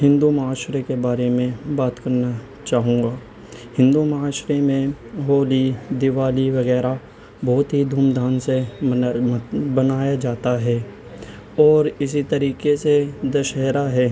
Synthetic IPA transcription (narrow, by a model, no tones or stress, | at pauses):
ɦɪ̃nd̪umɐaːʃɾekebaːɾemẽbaːt̪kɐɾna | t͡ʃaːɦũːŋɡaː | hɪ̃nd̪umɐɦaːʃɾemẽ | ɦoːlid̪ɪʋaːliʋɐɣɛːɾa | bɔːʊt̪ɦid̪ʱuːmd̪ʱaːnse | bɐnaːjad͡ʒaːt̪aɦɛː | ɔːɾɪsit̪ɐɾiːkesed̪ɐʃɛɦɾaɦɛː